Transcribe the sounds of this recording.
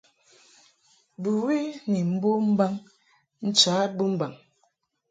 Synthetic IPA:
bu˨wi˦ni˨m̩˦bo˦m̩˦ba˦ŋ | n̩˦t͡ʃa˨˦bu˦m̩˦ba˨ŋ

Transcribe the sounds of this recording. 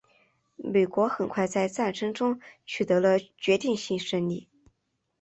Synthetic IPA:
me˨˩ɪkwɔ˧˥xə˨˩nkʰwa˥˧ɪt͡sa˥˧ɪt͡sa˥˩nʈ͡ʂʰɤ˥ŋʈ͡ʂʊ˥ŋt͡ɕʰy˨˩t̪ɤ˧˥lə˧t͡ɕɥɛ˧˥t̪i˥˧ŋɕi˥˧ŋʂə˥ŋli˥˩

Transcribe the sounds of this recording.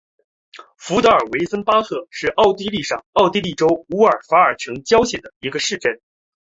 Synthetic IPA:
fu˧˥t̪ɤ˧˥ə˞˨˩we˧˥ɪsə˥npa˥tʰɤ˥˧ʂɻ̩˥˧ʔɑ˥˧ʊt̪i˥˧li˥˧ʂɑ˥˩ŋɑ˥˧ʊt̪i˥˧li˥˩ʈ͡ʂo˥ʊu˧˥ə˞˨˩fa˧˥ə˞˨˩ʈ͡ʂʰɤ˧˥ŋt͡ɕjɑ˥ʊɕjɛ˨˩nd̪ə˦i˧˥ɡə˧ʂɻ̩˥˧ʈ͡ʂə˥˩n

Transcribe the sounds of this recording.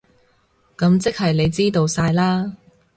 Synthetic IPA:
kɐ˨˧mt͡sɪ˥k̚hɐ˨jle˨˧jt͡siː˥t̪o˧wsaː˧jlaː˥

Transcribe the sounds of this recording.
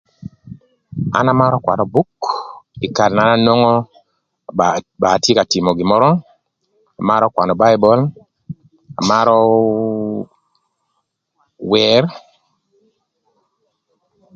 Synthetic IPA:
a̰˦na˨ma˦ɾɔ˦kwa̰˨nɔ˨bu˦kɪ˨ka˨ɾna˨na˦nwo˦ŋɔ˦ | ba˨tje˦ka˨tɪ˨mɔ˨ɡɪ˨mɔ˦ɾɔ˦ | a˨ma˦ɾɔ˦kwa˨nɔ˨ba˦ɪ˦bɔ˦l | a̰˨ma˦ɾɔ˦ | wɛ˨˦r

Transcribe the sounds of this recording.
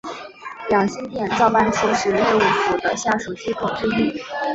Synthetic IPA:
ljɑ˨˩ŋɕi˥nt̪jɛ˥˩nt͡sɑ˥˧ʊpa˥˩nʈ͡ʂʰu˧˥ʂɻ̩˨˧˥lɛ˥˧u˨˩fu˨˩d̪ə̰˦˧ɕja˥˩ʂu˨˩t͡ɕi˥kʰo˨˩ŋʈ͡ʂ̩˥˧li˥˩

